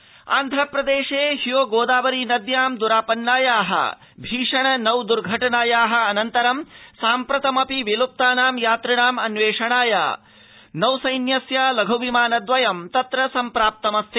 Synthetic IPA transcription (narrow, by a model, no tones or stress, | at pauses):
a̰ːnd̪ʱɐpɾɐd̪eːʂeːhijoːɡoːd̪aːʋɐɾiːnɐd̪jaːmd̪uɾaːpɐnːaːjaːɦɐ̰ | bʱiːʂɐɳɐnɐwd̪uɾɡʱɐʈɐnaːjaːɦɐ̆ɐnɐnt̪ɐɾɐmsaːmpɾɐt̪ɐmɐpiʋilup̚t̪aːnaːmjaːt̪ɾɐɳaːmɐnʋeːʂɐɳaːja̰ː | nɐwsɐjnjɐsjaːlɐɡʱɐʋimaːnɐd̪ʋɐjɐmt̪ɐt̪ɾɐsɐmpɾaːp̚t̪ɐmɐst̪ʰe